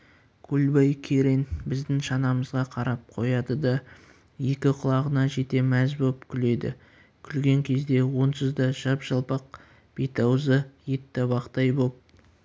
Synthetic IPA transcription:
kʲʰulbɑjkʲʰeɾenbɪzd̪ɪŋʃɑnɑməzʁɑqʰɑɾɑp̚qʰo̞jɑd̪əd̪ɑ | je̞kʲɪqʰʊlˠɑʁənɑʒe̞t̪e̞mæzbopkʲʰʏle̞d̪ɪ̰ | kʲʰʏlɡʲe̞ŋkʲʰe̞zd̪e̞wo̞nsəzd̪ɑʒɑpʒɑlˠpɑq̚ | b̥et̪ɑwzəjet̪ːɑbɑqt̪ɑjbop̚

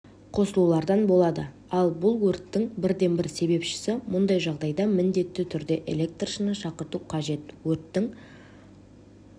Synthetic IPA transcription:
qʰo̞səlˠulˠɑɾd̪ɑnbo̞lˠɑd̪ə | ɑlˠbʊlˠwɵɾt̪ːɪŋbɪɾd̪e̞nbɪɾse̞be̞pʃɪ̥sɪmʊnd̪ɑjʒɑʁd̪ɑjd̪ɑmɪnd̪e̞t̪ːɪt̪ʰʏɾd̪e̞ʔe̞̰lʲe̞k̚t̪rʃənəʃɑqəɾt̪uqʰɑʒe̞t̪wɵt̪ːɪŋ

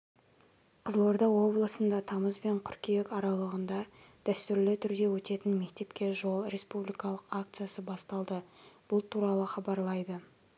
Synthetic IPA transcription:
qʰəzlˠo̞ɾd̪ɑwo̞blˠəsənd̪ɑt̪ʰɑməzbe̞ɴkʲʰʏɾkʲijekɑɾɑlˠəʁənd̪ɑd̪̥æst̪ʏɾlɪt̪ʰʏɾd̪e̞wɵt̪e̞t̪ɪnme̞k̚t̪e̞pkʲe̞ʒo̞lˠɾe̞spublijkɑlˠəqak̚t̪sɨjasəbɑst̪ɑlˠd̪əb̥ʊlˠt̪ʰuɾɑlˠəχɑbɑɾlˠɑjd̪ə

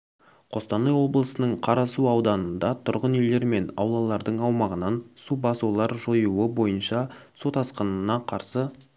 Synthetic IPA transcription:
qʰo̞st̪ɑnəjwo̞blˠəsənəɴqʰɑɾɑsuɑwd̪ɑnənd̪ɑt̪ʰʊɾʁənejle̞ɾme̞nɑ̰wlˠɑlˠɑɾd̪əɴɑwmɑʁənɑnsubɑsulˠɑɾʒojuəbo̞jənʃɑ | sot̪ɑsqənənɑqʰɑɾsə

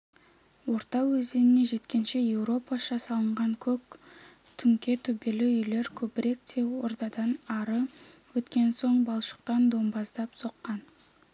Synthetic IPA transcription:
wo̞ɾt̪ɑwɵzd̪e̞nɪne̞ʒe̞t̪kʲe̞nʃe̞je̞wɾo̞pɑʃɑsɑlˠəɴʁɑŋkʲʰɵk | t̪ʰʏŋkʲe̞t̪ʰɵbe̞lɪʏjle̞ɾkʲʰɵbɪɾe̞k̚t̪ʰe̞wo̞̰ɾt̪ɑd̪ɑnɑɾəwɵt̪kʲe̞nso̞ɴbɑlˠʃə̥q̚t̪ɑnd̪o̞mbɑzd̪ɑpso̞qːɑn

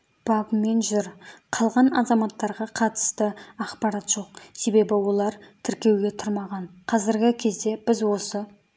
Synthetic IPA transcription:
b̥ɑbəme̞nʒʏɾqʰɑlˠʁɑnɑ̰zɑmɑt̪ːɑɾʁɑqʰɑt̪ə̥st̪əɑχpɑɾɑt̪ʒ̥o̞q̚se̞be̞bɪwo̞lˠɑɾt̪ʰɪɾkʲe̞wɡʲe̞t̪ʰʊɾmɑʁɑɴqʰɑzɪɾɡʲɪkʲʰe̞zd̪e̞b̥ɪzwo̞sə

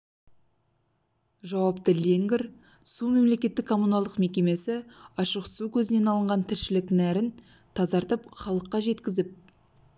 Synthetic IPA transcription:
ʒɑwɑpt̪əlʲeŋɡʲɪɾ | sume̞mle̞kʲe̞t̪ːɪkʰːo̞mːunɑlˠd̪əqme̞kʲe̞me̞sɪɑʃəqsukʲʰɵzɪne̞nɑlˠəɴʁɑnt̪ʰɪɾʃɪlɪknæɾɪn | t̪ʰɑzɑɾt̪əp̚χɑlˠəqːɑʒe̞t̪kʲɪzɪp̚

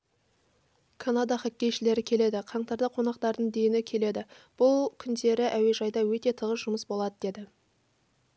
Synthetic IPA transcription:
kʰanad̪ɑχækʲːe̞jʃɪle̞ɾɪkʲʰe̞le̞d̪ɪqʰɑɴt̪ɑɾd̪ɑqʰo̞nɑq̚t̪ɑɾd̪əɴd̪e̞jɪnɪkʲʰe̞le̞d̪ɪb̥ʊlˠkʲʰʏnd̪e̞ɾɪʔæwe̞ʒɑjd̪ɑwɵt̪e̞t̪ʰəʁəsʒ̥ʊməsbo̞lˠɑd̪əd̪e̞d̪ɪ

